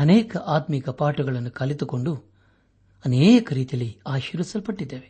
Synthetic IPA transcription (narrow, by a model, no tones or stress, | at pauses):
ɐneːkɐʔaːt̪mikɐpaːʈuɡɐɭɐnːukɐlit̪uko̞ɳɖu | ɐneːjɐkɐɾiːt̪ijɐlːiaːʃiːɾʋisɐlpɐʈːid̪ːeːʋe